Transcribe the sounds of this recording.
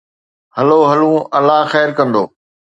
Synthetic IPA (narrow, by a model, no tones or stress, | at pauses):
hɐloɦɐlũːɐlːaɦxɛːɾkɐ̃nd̪oː